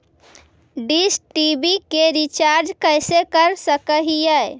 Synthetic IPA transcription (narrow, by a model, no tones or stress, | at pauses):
ɖisʈibikeɾit͡ʃaɾd͡ʒkəjsekəɾsəkəɦijəj